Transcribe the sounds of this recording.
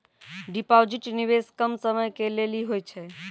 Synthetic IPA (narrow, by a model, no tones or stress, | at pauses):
ɖipawd͡ʒiʈniʋeskəmsəməjkeleliɦojt͡ʃʰɛ